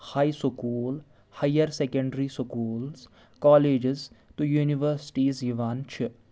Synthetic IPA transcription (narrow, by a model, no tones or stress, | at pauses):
haːiskuːl | hajəɾsekə̃ɳɖəɾiskuːls | kɔːleːd͡ʒɪzʈujuːniʋəɾsɪ̥ʈiziʋaːnt͡ʃʰɪ